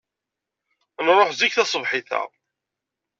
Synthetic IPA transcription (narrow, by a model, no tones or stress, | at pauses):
nrˤːoħzikθæsˤəvħɪθæ̰